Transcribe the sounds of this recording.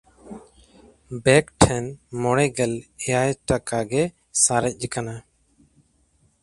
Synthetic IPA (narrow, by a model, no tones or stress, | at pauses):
bɛkʈʰɛnmɔɽɛɡɛlɛjajʈakaɡɛ | saɾɛc̚ˀd͡ʒɛkana